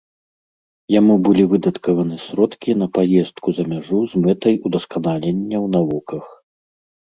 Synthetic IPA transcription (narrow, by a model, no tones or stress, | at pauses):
jamubɨlʲivɨd̪ɐt̪kɐvɐnɨsʲɾɔt̪kʲin̪ɐpajɛst̪kuzɐmʲaʐuzmɛt̪ɐjud̪ɐskanalʲenʲːɐwnavɔkɐx